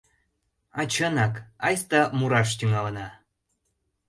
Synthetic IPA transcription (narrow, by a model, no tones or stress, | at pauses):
ɑt͡ɕənɑkɑjst̪ɑmuɾɑʃ̬t̪ʲyŋɑlɤ̆nɑ